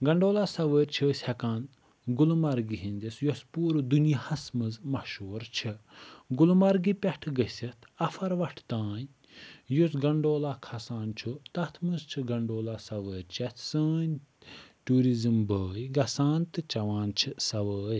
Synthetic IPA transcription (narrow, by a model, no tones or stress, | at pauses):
ɡɐɳɖoːlaːsɐʋəːɾʲt͡ʃʰəːsʲhɛkaːn | ɡulmɐɾɡiɦĩnʲd̪isjospuːɾɨd̪unjihɐsmɨzmɐʃoːɾt͡ʃʰɨɡulmɐɾɡipʲɛʈʰɡəsʲit̪ʰɐfʰɐɾʋɐʈʰt̪aːn | jusɡɐɳɖoːlaːkʰɐsãːnt͡ʃʰut̪ɐt̪ʰmɨzt͡ʃʰiɡɐɳɖoːlaːsɐʋəːɾʲt͡ʃɐt̪ʰsəːnʲ | ʈuːɾizɨmbəːjɡɐsaːnt̪ɨt͡ʃɐʋãːnt͡ʃʰɨsɐʋəːj